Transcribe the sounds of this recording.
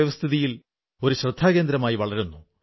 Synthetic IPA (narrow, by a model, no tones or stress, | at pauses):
ʋɐst̪ʰiðijil | o̞ɾuɕrɨd̪ʱːaːɣe̞ːnd̪ɾɐmaːjiʋɐɭɐɾunːu